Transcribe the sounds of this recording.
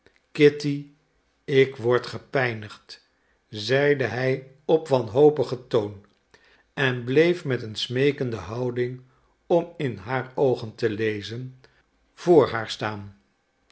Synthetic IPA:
kɪti | ɪkʋɔɹtχəpɛjnəχt | zɛjdəɦɛj | ɔpʋɑnɦowpəχətown | ɛnblejfmɛtənsmejkəndəɦɑwdɪŋ | ɔmɪnɦaːɹowχəntəlejzən | v̥ʊːɹɦaːɹstaːn

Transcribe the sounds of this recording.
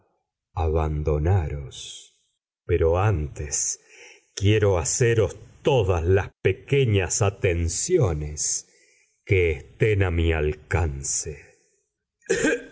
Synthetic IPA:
aβand̪o̞naɾos | peɾo̞ant̪es | kjeɾo̞aseɾo̞st̪oðaslaspekeɲasat̪ensjones | keːst̪enamialkanse

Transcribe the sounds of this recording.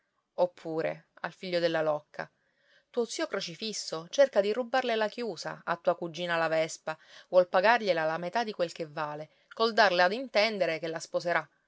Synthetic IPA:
opʰːuːɾḛa̰lfiʎːod̪elːalɔkʰːa̰ | t̪uːot̪siːokɾot͡ʃifisːot͡ʃerkad̪irubːarlelak̟juːsa̰at̪ːuːakud͡ʒːiːnalavɛspavwɔlpaɡarʎelalamet̪ad̪ikwelkevːaːle | kold̪arlead̪int̪ɛnd̪eɾekelːaspozeɾa

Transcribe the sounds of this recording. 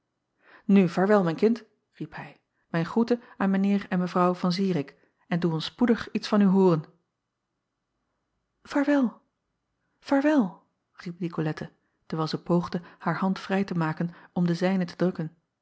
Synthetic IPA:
nyvaːɹʋɛlˠmɛjnkɪnt | riphɛj | mɛjnχutə | aːnmənɪːɹɛnməvrɑwvɑnziːəɾɪk | ɛnduɔnspudəχitsfɑnyɦʊːrən | v̥aːɹʋɛlˠ | v̥aːɹʋɛlˠ | rip̚nikolɛtʰə | təɹʋɛːlˠzɛjpowχdəhaːɹhɑntfrɛjtəmaːkənɔmdəzɛjnətədrɵkən

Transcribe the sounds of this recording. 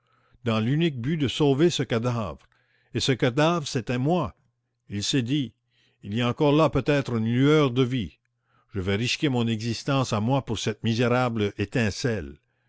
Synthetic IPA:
d̪ɑ̃lynik̚byd̪əsovesəkad̪avʁ | esəkad̪avʁset̪ɛmwa | ilsɛd̪iː | liaɑ̃kɔʁlapøt̪ɛt̪ʁynlyœʁd̪əvi | ʒ̥əvɛʁiskʲemɔ̃nɛɡzist̪ɑ̃samwapuʁsɛt̪mizeʁablet̪ɛ̃sɛl

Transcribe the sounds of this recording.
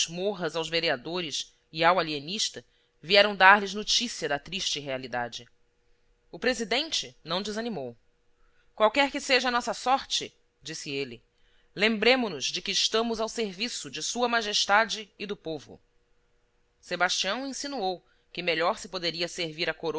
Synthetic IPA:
zmoɦɐzawzveɾiad̪oɾɪʃ | ɪawalieniʃt̪ɐ | viɛɾɐ̃w̃d̪aɾlɪznot͡ʃisiɐd̪ɐt̪ɾiʃt͡ʃɪɦealid̪a̰d͡ʒɪ | ʊpɾezid̪ẽnt͡ʃɪnɐ̃w̃d͡ʒɪzɐnimow | kwawkɛɾkɪseʒɐnɔsɐsɔɾt͡ʃɪ | d͡ʒisɪelɪ | lẽmbɾẽmʊnʊzd͡ʒɪkɪːʃt̪ɐ̃mʊzawseɾvisʊd͡ʒɪsuɐmaʒeʃt̪ad͡ʒɪːd̪ʊpovʊ̰ | sebaʃt͡ʃiɐ̃w̃ẽsinuow | kɪmeʎɔɾsɪpod̪eɾiɐseɾviɾɐkoɾ

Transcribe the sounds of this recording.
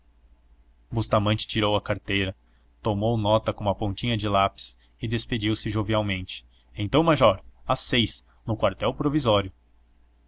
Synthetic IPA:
bust̪amɐ̃nt͡ʃɪ̥t͡ʃiɾowɐkaɾt̪ejɾɐ | t̪omownɔt̪ɐkõũmɐpõnt͡ʃĩɲɐd͡ʒɪlapi̥s | ɪd̪esped͡ʒiwsɪʒoviawmẽnt͡ʃɪ̥ | ẽnt̪ɐ̃w̃maʒɔɾɐsejs | nʊkwaɾt̪ɛwpɾovizɔɾjʊ

